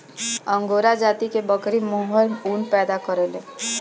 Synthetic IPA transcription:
ə̃ŋɡoːɾad͡ʒaːt̪ikebəkɾimɔɦəluːnpɛːd̪akəɾeleː

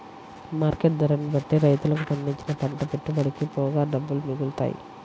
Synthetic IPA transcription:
maːɾkeʈ̚d̪ɐɾɐnːibɐʈːeɾɐjt̪ulɐk̬upɐɳɖiɲt͡ʃinɐpɐɳʈɐpeʈːubɐɽikipɔːɡaːɖɐbːulumiɡult̪a̰ːjḭ

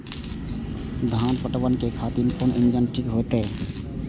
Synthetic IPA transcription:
d̪ʱaːnpəʈʋənkekʰaːt̪ɪɾpʊnʔɪ̃nd͡ʒənʈʰɪkɦoːt̪ɦe

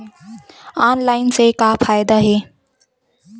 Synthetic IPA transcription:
aːnlaːɪnsekapʰaːjɪd̪aɦeː

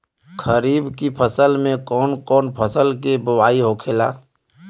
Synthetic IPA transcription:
kʰəɾiːbkipʰəsəlmẽkɔːnkɔːnpʰəsəlkebəwaːiɦoːkʰeːlaː

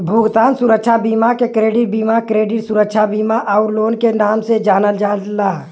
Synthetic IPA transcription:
bʱuɡt̪aːnsuɾəkʃʰabiːmakekɾeːɖɪʈ̚biːmakɾeːɖɪʈsuɾəkʃʰabiːmaʔaʊɾloːnkenaːmsed͡ʒaːnəld͡ʒaːt̪laː

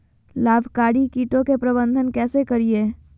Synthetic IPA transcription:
laːbʱkaːɽikiːʈõkepɾəbə̃nd̪ʱənkɛːsekɐɾieː

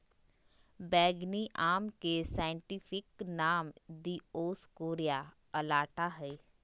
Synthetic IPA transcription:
bɛːɡniʔaːmkesaːɪ̃ɳʈipʰɪknaːmd̪iːoːskoːɾija | əlaːʈaɦɛː

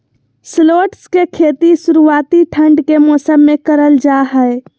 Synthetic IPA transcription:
sloːʈskekʰet̪isuɾuaːt̪iʈʰə̃ɳɖkemɔːsəmːekəɾəld͡ʒaɦəe

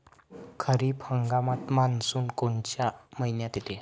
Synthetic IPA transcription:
kʰəɾiːphəŋɡamat̪mansuːnkoɳt͡ɕjaməɦinjat̪it̪ʰe

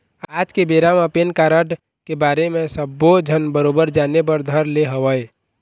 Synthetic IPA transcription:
aːd͡ʒkebeːɾaməpenkaːɾəʈ | kebaːɾemẽsəbːod͡ʒʱənbəɾoːbəɾd͡ʒaːnepəɾd̪ʱəɾleɦəʋəe

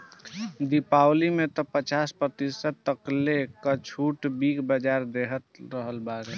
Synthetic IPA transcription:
d̪ipawlimet̪ɔpət͡ʃaspɾət̪isəd̪̚t̪əklekət͡ʃʰuʈbikʰbəd͡ʒaɾd̪eɦət̪ɾəɦəlbaɾe

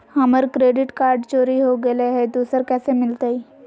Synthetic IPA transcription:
hɐməɾkɾeːɖɪʈkaːɾɖt͡ʃoːɾiɦoɡəleɦɛd̪uːsəɾkɛːsemɪlt̪ai

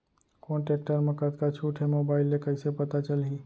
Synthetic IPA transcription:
koːɳʈek̚ʈəɾməkət̪kat͡ʃʰuːʈʰɦemoːbaːɪlːekəɪsepət̪at͡ʃəlɦiː

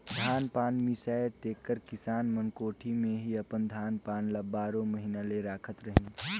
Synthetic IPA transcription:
d̪ʱaːnpaːnmisaːet̪eːkːəɾkɪsaːnmənkoːʈʰimẽɦiɐpənd̪ʱaːnpaːnləbaːɾõməɦinaleɾaːkʰət̪ɾəɦĩ

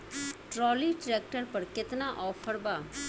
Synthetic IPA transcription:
ʈɾɔːliʈɾeːk̚ʈəɾpɐɾkɪt̪naʔɔːpʰəɾbaː

